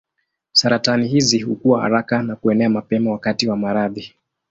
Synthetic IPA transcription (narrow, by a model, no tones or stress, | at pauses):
saɾatanihizihukuwaha̰ɾakanakuɛnɛamapɛmawakatiwamaɾaði